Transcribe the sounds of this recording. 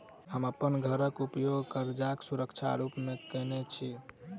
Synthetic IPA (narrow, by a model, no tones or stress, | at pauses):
həməpənɡʱəɾəkupjoɡkəɾd͡ʒaksuɾəkt͡ʃʰa̰ɾupmekənet͡ʃʰi